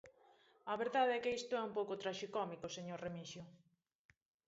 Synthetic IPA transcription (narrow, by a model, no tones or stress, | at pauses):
ɐβeɾðaðɛkɪist̪ʊɛumpowkʊt̪ɾaʃikɔmikʊseɲoɾremiʃjʊ